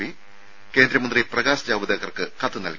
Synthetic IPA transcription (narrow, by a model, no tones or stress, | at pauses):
i | ke̞ːnd̪ɾɐmɐnd̪riprɐɣaːsɐd͡ʑaːʋɐd̪ɐɣɐrkɨkɐt̪ːɨnɐ̰lk